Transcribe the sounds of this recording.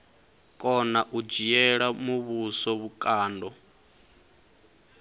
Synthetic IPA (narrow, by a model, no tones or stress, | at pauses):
kʼɔnaʔud͡ʒijɛɺamuβusɔβukʼaːndɔ